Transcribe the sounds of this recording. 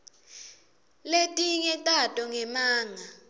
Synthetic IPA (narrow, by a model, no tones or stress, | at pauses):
letʼiŋɛtʼatʼɔŋɛmaːŋa